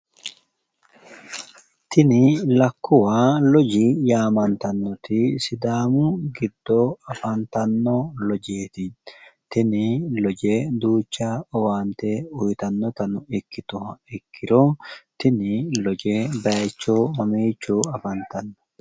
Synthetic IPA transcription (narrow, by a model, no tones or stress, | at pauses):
t̪ɪnɪlɐkːʊwaːlɔd͡ʒɪjaːmɐnt̪ɐnːɔt̪ɪsɪd̪aːmʊɡɪd̪ːoɐfɐnt̪ɐnːɔlɔd͡ʒeːt̪ɪt̪ɪnɪlɔd͡ʒed̪uːt͡ʃːaːɔwaːnt̪eʊjt̪ɐnːɔt̪ɐnʊɪkːɪt̪ʊhɐɪkʰːɪɾot̪ɪnɪlɔd͡ʒebɐt͡ʃːoːmɐmeːt͡ʃːuɐfɐnt̪ɐnːɔ̥